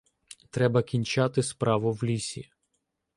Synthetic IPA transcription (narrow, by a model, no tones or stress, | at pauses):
t̪ɾɛbɐkʲinʲt͡ʃɑt̪ɪspɾɑʋʊwlʲisʲḭ